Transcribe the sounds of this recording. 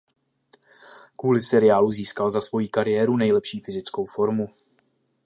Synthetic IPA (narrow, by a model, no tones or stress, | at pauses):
kvuːlɪsɛɾɪaːluziːskalzasvo̞jiːkaɾɪjɛːɾunɛjlɛpʃiːfɪzɪt͡sko̞wfo̞ɾmu